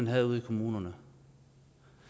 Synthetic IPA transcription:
ænɦæðˠuð̰ˠikʰomuːnɐnə

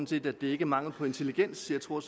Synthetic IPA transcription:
nse̝̰ːd̥ædd̥e̝æɐe̝ɡ̥əæmɑ̈ŋl̩ˠpʰɒ̽e̝nt͡sʰe̝liɡ̥en̰sːiːɐt͡sʰo̝ɐ̰s

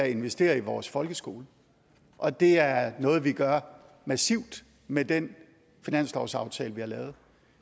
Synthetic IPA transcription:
æe̝nʋesd̥e̝̰ːɐiʋɒːsfɒ̽lɡ̥əsɡ̥o̝̰ːlə | ʔɒ̽d̥e̝æɐnɔ̽ːð̞̩ˠʋiɡ̥ɶɐ | mæsiʊ̰d̥ | med̥en | finæn̰sl̥ɒʊsɑ̈ʊt͡sʰɛːləʋihɑ̈lɛːʊð̞̩ˠ

